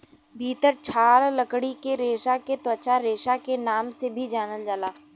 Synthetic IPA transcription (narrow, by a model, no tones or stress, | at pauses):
bʱiːt̪əɾt͡ʃʰaːlləkɽikeɾeːʃaket̪wət͡ʃaɾeːʃakenaːmsebʱid͡ʒaːnəld͡ʒaːlaː